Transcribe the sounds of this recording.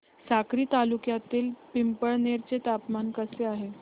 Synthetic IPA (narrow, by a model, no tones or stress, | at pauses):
sakɾiːt̪alukjat̪iːlpimpəɭneɾt͡set̪apmankəseaɦe